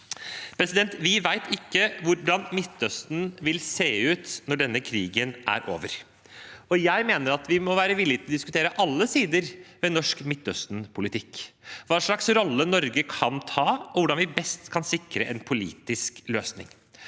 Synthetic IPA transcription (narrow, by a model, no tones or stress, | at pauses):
pʰɾɛsɪd̪ɛnt̪ʋɪʋæɪt̪ʰɪkːəʋʊɖɑnmɪt̪ːœst̪n̩ʋɪlseːʉːt̪nɔɖɛnːəkʰɾiːɡənʔæ̰ɾʔo̰ːʋəɾ | ɔjæɪmeːnəɾɑt̪ʋɪmɔʋæːɾəʋɪlːɪt̪ʰɪlɔd̪ɪskʉt̪ʰeːɾəʔɑlːəsiːd̪əɾʋɛnɔʂkmɪt̪ːœst̪n̩pʰʊlɪt̪ʰɪkːʋɑːʂɭɑksɾɔlːənɔɾɡəkʰɑnt̪ʰɑːɔʋʊɖɑnʋɪbɛst̪kʰɑnsɪkɾəʔɛnpʰʊlḭːt̪ɪskløːsnɪ̰ŋ